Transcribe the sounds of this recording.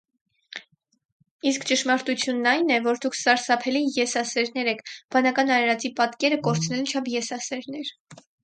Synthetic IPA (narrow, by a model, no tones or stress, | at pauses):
iskt͡ʃəʃmɑɾt̪ut͡sʰjunːɑjnɛvɔɾd̪ukʰsɑɾsɑpʰɛlijɛsɑsɛɾnɛɾɛkʰb̥ɑnɑkɑnɑɾɛɾɑt͡sipɑt̪kɛɾəkɔɾt͡sʰnɛlt͡ʃʰɑpʰjɛsɑsɛɾnɛɾ